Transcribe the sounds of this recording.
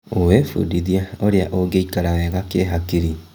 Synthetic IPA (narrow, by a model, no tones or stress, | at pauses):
owefṵdiðiaoɾeaʔoɡeikaɾaɛɣakeɦakiɾi